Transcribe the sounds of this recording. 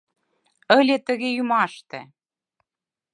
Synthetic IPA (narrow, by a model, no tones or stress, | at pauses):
ə̆lʲet̪ə̆ɣejymɑʃt̪ḛ̆